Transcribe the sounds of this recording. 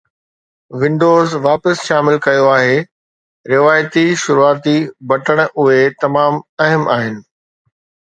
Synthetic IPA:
ʋɪ̃ɳɖoːzʋaːpəsʃaːmɪlkɐjoaːɦe | ɾɪʋaːjt̪iʃʊɾuaːt̪ibɐʈəɽ̃ʔʊɦet̪ɐmaːmɐɦəmʔaːɦɪnɪ̆

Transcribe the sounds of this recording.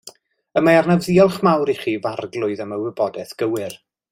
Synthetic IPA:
əmaarnəvðiɔlˠχmawɾiχiːvarɡlˠʊɨðəməwɪbɔdɛθɡ̥əwɪr

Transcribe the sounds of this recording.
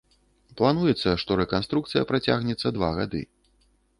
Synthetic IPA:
plˠanujɛt̪sːɐʂt̪ɔɾɛkanst̪ɾukt̪sɨjɐpɾat͡sʲa̰ɣnʲɛt̪sːɐd̪va̰ɣa̰d̪ɨ̰

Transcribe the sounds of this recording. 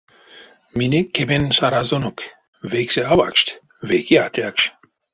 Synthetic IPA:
minɛkʰːɛbɛnsaɾazɔnukʰ | vɛksɛavakʃt̪ʰ | veɡiat̪ʼjakʃ

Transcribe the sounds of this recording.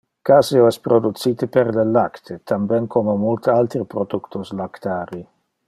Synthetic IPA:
kaːseoɛspɾod̪ut̪siːt̪epeɾlelakt̪ʰet̪ʰambɛnkʰomemult̪alt̪ɾipɾod̪ukt̪uslakt̪aːɾi

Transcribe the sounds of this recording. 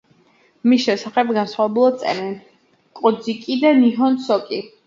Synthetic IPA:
misʃɛsaχɛb̚ɡansχwavɛbulˠad̪̚sʼɛ̰ɾɛn | kʼɔd̪zikʼid̪aniɦɔnsɔkʼi

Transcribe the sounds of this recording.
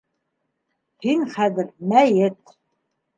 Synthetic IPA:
hiŋχæðɘ̆ɾmæjɘt̪̚

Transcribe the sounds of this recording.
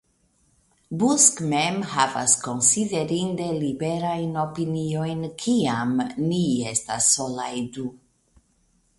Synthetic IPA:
buskmemhava̰sko̞nsideɾinde̞libeɾajno̞pinio̞jnkʰiamniestasːo̞lajdu

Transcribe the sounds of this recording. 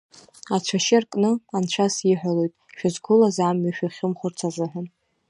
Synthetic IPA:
at͡ʃʷʰaʃɪarkʼnɨant͡ʃʷʰasiħʷᶣalo̞jtʼʃᶣazɡʷʊlazaːmɥaʃᶣaχʲɪmχʷʊrt͡sʰazɨħʷᶣan

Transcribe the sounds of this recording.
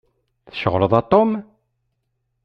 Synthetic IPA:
θə̥ʃəʁləðˤɑt̪ˤːom

